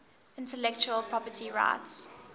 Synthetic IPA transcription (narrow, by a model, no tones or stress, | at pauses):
ɪ̃ntəlɛkt͡ʃuəlpʰɹ̥ɔpətʰiɹa̰ɪts